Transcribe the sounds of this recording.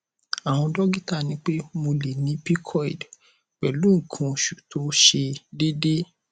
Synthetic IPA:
a˨w̃ɔ̃˧dɔ˦ɡi˦ta˦˨nĩ˨˦k͡pe˦mo˧le˨nĩ˨˦pi˦kʰɔ˦ḭ˨d | k͡pɛ˨lu˨˦ŋ̩˨kʰũ˧ʃu˨tʰo˨˦ʃe˧de˦de˦

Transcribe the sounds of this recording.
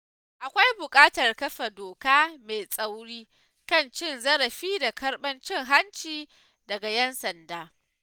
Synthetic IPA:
ʔa˨kʷa˦jbʊ˨kʼaː˦tɐ˨rkɐ˦ɸa˨doː˨kaː˦me˨sʼa˦wɽiː˦ | kɐ˦nt͡ʃɪ˦˨nzɐ˦ɾɐ˨ɸiː˦da˨kɐ˦rɓɐ˦nt͡ʃɪ˦ŋɦa˦nt͡ʃiː˨ | dɐ˨ɡa˨jɛ˦nsɐ˨ndaː˦

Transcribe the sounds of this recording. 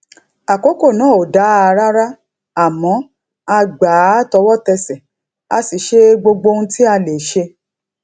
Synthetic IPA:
a˨ko˨˦ko˦˨nã˨˦˨o˨da˨˦a˧ɾa˦ɾa˦ | a˦˨mɔ̃˨˦ | a˧ɡ͡ba˨˦tɔ˧wɔ˦tɛ˧sɛ˨ | a˧si˨ʃe˦ɡ͡bo˧ɡ͡bo˧n̩˦ti˦a˧le˨ʃe˧

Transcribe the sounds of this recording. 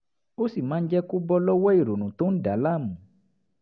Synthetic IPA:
o˦si˨mã˨˦n̩˦d͡ʒɛ˦ko˦bɔ˦lɔ˦wɔ˦i˦˨ɾo˨nũ˨to˦n̩˦da˨˦la˦˨mũ˨

